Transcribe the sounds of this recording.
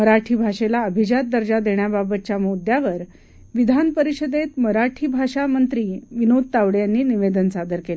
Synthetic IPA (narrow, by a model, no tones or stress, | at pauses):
məɾaʈʰiːbʱaʂelaəbʱid͡ʑat̪̚d̪əɾd͡ʑad̪eɳjababət̪̚t͡ɕjamod̪jaʋəɾ | ʋid̪ʱanpəɾiɕəd̪et̪məɾaʈʰiːbʱaʂamənt̪ɾiːʋinod̪̚t̪aʋɽjanːiːniʋed̪ənsad̪əɾkele